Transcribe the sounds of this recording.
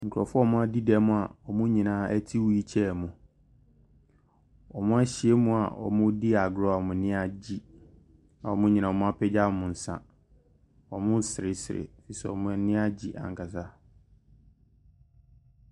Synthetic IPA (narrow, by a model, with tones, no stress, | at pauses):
ŋ̩˨kʰɾɔ˨fʊ˦˨mʊ̃˦a˦di˦dɛ˨mʊ̃˦˨a̰˨ɔ˨mʊ̃˦ɲĩ˨nãː˦ɛ˦tʰi˦wu˦ji˦t͡ɕʰɛ˦˨mũ˨ | ɔ˨mʊ̃˦a˦ɕi˨e˦mũ˦a̰˨ɔ̰˨mʊ̃˦di˦a˨ɡɔ˦a˨mʊ̃˨˦nɪ̃˦a˦d͡ʑi˦ | ã˨ɔ˨mʊ̃˦ɲĩ˨nã˨ɔ˨mʊ̃˦a˦pʰɛ˦d͡ʑa˦˨mʊ̃˨n̩˨sã̰˦ | ɔ˨mʊ̃˦sɪ˨ɪ˨sɪ˨ɾɪ̰˨fi˨i˨sɛ̰˨ɔ˨mʊ̃˦nɪ̃˦a˦d͡ʑi˨ʔã̰˨ŋ˨kʰa˨s̬a˦